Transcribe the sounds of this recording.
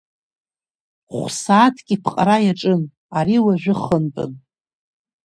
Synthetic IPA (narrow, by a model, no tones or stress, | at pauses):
χʷsaːtʰkʲʼipʰqʼaɾajaʈ͡ʂʼɨn | aɾiwaʒʷᶣɪχənpʼɨ̰n